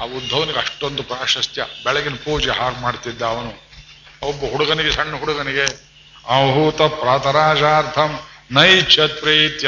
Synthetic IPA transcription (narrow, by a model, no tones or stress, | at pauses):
aud̪ʱːɐʋɐniɡeɐʂʈːond̪upɾaːʂɐst̪jɐbɛɭɐɡinpuːd͡ʒeɦaːɡmaːɖt̪id̪ːɐːʋɐnu | ɐɔbːɐɦuɽuɡɐniɡesɐɳːɐɦuɽuɡɐniɡe | ɐɦut̪ɐpɾaːt̪ʰɐɾaːd͡ʒaːɾt̪ʰɐmnɐjt͡ʃʰɐt̪̚pɾit̪jɐ